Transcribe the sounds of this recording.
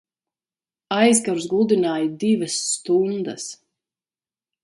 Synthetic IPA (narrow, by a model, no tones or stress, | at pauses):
ajzɡaɾuzɡlˠud̪inaːjd̪ivɐsːt̪und̪ɐs